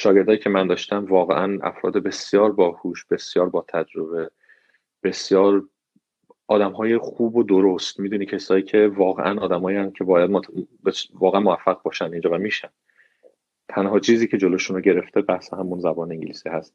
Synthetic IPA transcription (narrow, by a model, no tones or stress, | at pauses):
ʃɒːɟe̞ɾd̪ɒːjiːcʰe̞mænd̪ɒːʃt̪æmvɒːɣḛʔænæ̰fɾɒ̰ːd̪ebe̞sjɒːɾbɒːhuːʃb̥e̞sjɒːɾbɒːt̪ʰæd͡ʒɾo̞be̞ | b̥e̞sjɒːɾ | ʔɒːd̪æmɦɒːjexuːbod̪oɾost̪miːd̪uːniːcʰesɒːiːcʰe̞vɒːɣeʔænɒːd̪æmɒːiæncʰe̞bɒːjæd̪̚mbvɒːɣeænmoæfːæɣbɒːʃænd̪ind͡ʒɒːvæmiːʃænd̪ | t̪ʰænhɒːt͡ʃʰiːziːcʰe̞d͡ʒo̞loʃunoɟe̞ɾe̞ft̪ʰebæhseɦæmunzæbɒːneiŋɟeliːsiːhæst̪̚